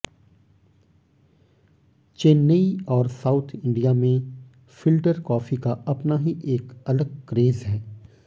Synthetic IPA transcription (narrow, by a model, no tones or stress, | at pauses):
t͡ʃeːnːeiɔːɾsaːʊt̪ʰɪ̃ɳɖijamẽ | fɪlɖəɾkɔːfikaʔɐpnaɦiʔeːkɐləɡ̚kɾeːzɦɛː